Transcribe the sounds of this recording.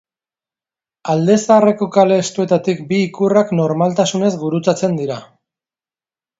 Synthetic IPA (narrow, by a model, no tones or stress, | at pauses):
ald̪e̞saare̞ko̞kale̞ːst̪ue̞t̪at̪ikbiːkurakno̞ɾmalt̪asune̞zɡuɾut͡sat͡se̞nd̪iɾa